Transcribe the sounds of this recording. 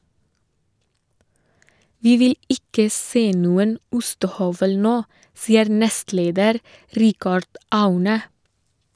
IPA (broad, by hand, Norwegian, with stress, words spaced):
ˈʋiː ˈʋɪl ˈɪkə ˈseː ˈnuːən ˈʊstəˌhœʋəl ˈnoː ˈsiːəɾ ˈnɛstˌleːdəɾ ˈɾɪkɑɖ ˈɑʉnə